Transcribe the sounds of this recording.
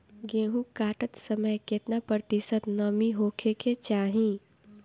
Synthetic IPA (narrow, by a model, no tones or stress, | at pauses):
ɡeːɦũkaːʈət̪səməjket̪napɾət̪ɪsət̪nəmiɦoːkʰekʰet͡ʃaːɦĩ